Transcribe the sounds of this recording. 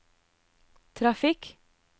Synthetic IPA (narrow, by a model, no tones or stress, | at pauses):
t̪ʰɾɑfɪk